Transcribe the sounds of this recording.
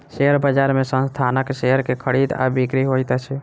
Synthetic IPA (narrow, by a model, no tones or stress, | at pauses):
seəɾbəd͡ʒaɾmesə̃nst̪ʰanəkseəɾkekʰəɽid̪a̰bikɾiɦojt̪t͡ʃʰɛ